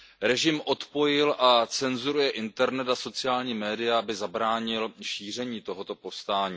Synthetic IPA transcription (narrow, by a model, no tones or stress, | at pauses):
ɾɛʒɪmʔo̞t̪po̞jɪlʔat͡sɛnzuɾujɛʔɪnt̪ɛɾnɛt̪aso̞t͡sɪjaːlɲiːmɛːdɪjaʔabɪzabɾaːɲɪlʃiːr̝ɛɲiːt̪o̞ɦo̞t̪o̞po̞fst̪aːɲiː